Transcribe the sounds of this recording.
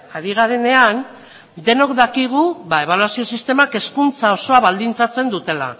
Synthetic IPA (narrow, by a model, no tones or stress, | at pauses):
aɾiɣ̞aɾe̞ne̞an | d̪e̞no̞kd̪akiɣ̞uβae̞β̞alwasio̞sist̪e̞make̞skunt͡sao̞so̞aβald̪int͡sat͡se̞nd̪ut̪e̞la̰